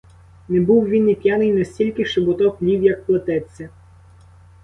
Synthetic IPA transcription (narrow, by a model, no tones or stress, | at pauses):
nɛbuwʋʲinipʲjanɪjnɐsʲtʲilʲkɪʃɪbʊt̪ɔklʲiwjɐk̚plˠɐt̪ɛt͡sʲːɐ